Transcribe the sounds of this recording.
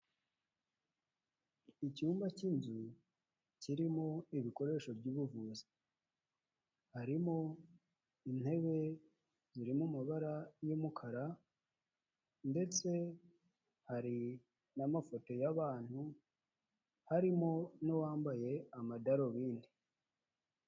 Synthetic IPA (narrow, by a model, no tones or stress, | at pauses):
icuːmbacinzu | ciɾimo̞iβiko̞ɾe̞ːʃo̞bɟuβuvuːzi | haɾimo̞ | in̥he̞βe̞ | ziɾimumaβaɾajumukʰaɾa | nde̞t͡se̞ | haɾi | namafo̞to̞jaβaːn̥hu | haɾimo̞nowaːmbaje̞amadaɾo̞βiːndi